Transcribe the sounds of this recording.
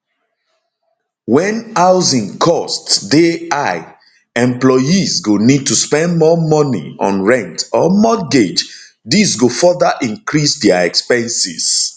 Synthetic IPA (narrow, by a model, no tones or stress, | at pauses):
wɛ̃naʊzĩŋkʰɔstdeaɪ | ɛ̃mplɔjizɡunid̚tuspɛ̃ndmɔmɔnḭɔ̰̃nɹɛ̃ntɔmɔɡed͡ʒ | disɡofɔðəʔĩŋkʰɹisdɛaɛkspɛ̃nsiz̥